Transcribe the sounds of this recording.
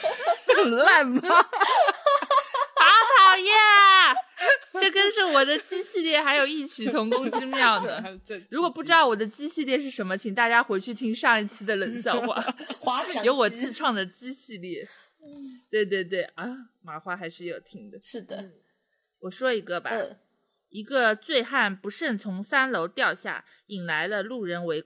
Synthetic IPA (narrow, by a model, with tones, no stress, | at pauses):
la˥˩nma | a˧˥t̪ʰɑ˧˥ʊjɛ˥˩ | ʈ͡ʂɤ˥˩kə˥nʂɻ̩˥˩wɔ˨˩d̪ə˦t͡ɕi˥ɕi˥˧ljɛ˥˩xa˧˥ɪjo˨˩ʊi˥˩t͡ɕʰy˧˥t̪ʰʊ˧˥ŋkʊ˥ŋt͡ɕi˥ljɑ˥˩ʊd̪ə˩ɻu˧˥kwɔ˨˩p̬u˥˩ʈ͡ʂɻ̩˥d̪ɑ˥˩ʊwɔ˨˩d̪ə˦t͡ɕi˥ɕi˥˧ljɛ˥˧ʂɻ̩˥˩ʂə˧˥nmə˧t͡ɕʰi˨˩ŋt̪a˥˧˩t͡ɕja˥xwe˧˥ɪt͡ɕʰy˥˩t̪ʰi˥ŋʂɑ˥˧ŋi˥˩t͡ɕʰi˥d̪ə˨lə˨˩˦nɕjɑ˥˧ʊxwa̰˥˧˩jo˧˥ʊwɔ˨˩t͡sɹ̩˥˧ʈ͡ʂʰwɑ˥˩ŋd̪ə˩t͡ɕi˥ɕi˥˧ljɛ˥˩ | t̪we˥˧ɪt̪we˥˧ɪt̪̬we˥˩ɪʔɐ˥ma˧˥xwa˥xa˧˥ɪʂɻ̩˥˩jo˨˩ʊt̪ʰi˥ŋd̪ə˨ʂɻ̩˥˩d̪ə˩ | wɔ˨˩ʂwɔ˥i˧˥ɡə˧ba̰˧˩˧ | i˧˥ɡə˧t͡swe˥˧ɪxa˥˩npu˧˥ʂə˥˩nt͡sʰʊ˧˥ŋsa˥nlo˧˥ʊt̪jɑ˥˧ʊɕja̰˥˩ | i˨˩nla˧˥ɪlə˧lu˥˩ɻə˧˥nwe˧˥ɪ